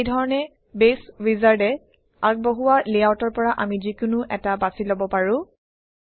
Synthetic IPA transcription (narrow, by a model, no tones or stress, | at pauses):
jdʱɔɹɔnɛ | beswizaɹdɛ | ak̚boɦuwaliawtɔɹpɔɹaʔamizikʊnʊʔɛtabasilobɔpaɹʊ̃